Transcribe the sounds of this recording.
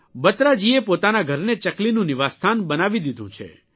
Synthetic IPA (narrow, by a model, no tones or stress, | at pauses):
bət̪ɾad͡ʒiepot̪anaɡʱəɾnet͡ʃəklinũniʋast̪ʰanbənaʋid̪id̪ʱũt͡ʃʰḛ